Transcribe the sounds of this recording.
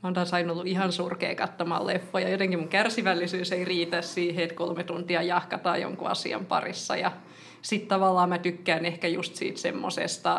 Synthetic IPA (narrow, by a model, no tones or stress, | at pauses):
mont̪ɑːsɑinolːuihɑnsurkḛːkɑt̪ːomɑ̰llefːojɑjot̪eŋkimuŋkærsiʋælːisyːseiriːt̪æssiːheit̪kolmet̪unt̪iɑjɑhkɑt̪ɑ̰ːjo̰ŋkuɑ̰sḭɑ̰mpɑ̰risːɑ̰jɑ | sit̪t̪ɑʋɑlːɑːmæt̪ykːæːnehkæjust̪sḭːt̪sḛmːo̰sḛst̪ɑ